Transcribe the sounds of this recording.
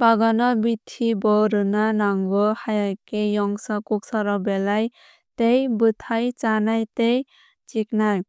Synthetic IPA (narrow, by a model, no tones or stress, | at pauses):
paɡanɔbit̪ʰːibɔɾɯnanaŋɡɔhajakejɔŋsʌkuksʌɾɔbelaj | t̪ejbɯt̪ʰajt͡ʃanajt̪ej | t͡ʃiknaj